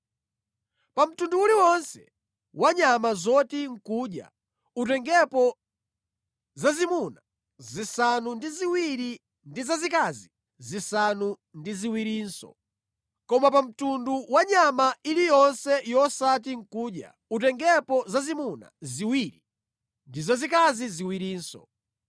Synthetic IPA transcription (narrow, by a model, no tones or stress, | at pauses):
pam̩tunduːliwɔnsɛ̰ | waɲamazɔtiŋ̩kuːɗja̰ | ut̬ɛŋɡɛpɔ | zazimuna | zisanundiziwiɾi | ndizazikazi | zisanu | ndiziwiɾiːnsɔ̰ | kɔmapam̩tunduwaɲamailijɔnsɛjɔsatiŋ̩kuːɗja̰ | ut̬ɛŋɡɛpɔzazimuna̰ziwiɾi | ndizazikaziziwiɾiːnsɔ̰